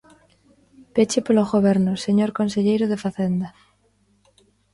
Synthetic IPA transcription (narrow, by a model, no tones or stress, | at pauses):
pet͡ʃepolozɣoβ̞eɾnoseɲoɾkonseʎejɾoð̞efaθend̪a